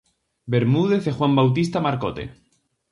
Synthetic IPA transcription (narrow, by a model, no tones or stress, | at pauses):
beɾmuð̞eθexwambawt̪ist̪amaɾkot̪ḛ